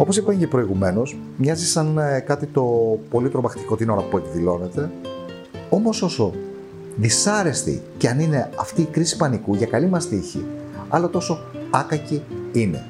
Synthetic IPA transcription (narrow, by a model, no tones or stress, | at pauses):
o̞po̞sipɐɲcepɾoiɣume̞no̞s | mɲɐzisɐnkɐt̪it̪o̞po̞lit̪ɾo̞mɐxt̪i̥ko̞t̪ino̞ɾɐpue̞kðilo̞ne̞t̪e̞ | o̞mo̞so̞so̞ | ðisɐɾe̞st̪ḭceɐnine̞ɐft̪iːkɾisi̥pɐnikuʝɐkɐlimɐst̪içḭɐlot̪o̞so̞ɐkɐciine̞̰